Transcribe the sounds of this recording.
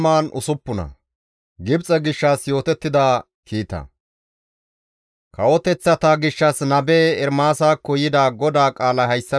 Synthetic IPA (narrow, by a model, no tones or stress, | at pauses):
maːnʊ̰sʊpːʊnɐ̰ | ɡɪbt͡sʼɐɡɪʃːaːsjo̞ːt̪ɛt̪ːɪd̪aː | kʰiːt̪ɐ̰ | kɐwɔt̪ɛt͡sːɐt̪aːɡɪʃːɐsnɐbeːɛɾmaːsaːkːɔjɪd̪aːɡɔd̪aːkʼaːlɐhɐjsːɐ